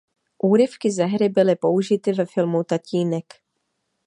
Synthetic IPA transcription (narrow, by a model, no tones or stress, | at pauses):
ʔuːɾɪfkɪzɛɦɾɪbɪlɪpo̞uʒɪt̪ɪvɛfɪlmut̪aciːnɛk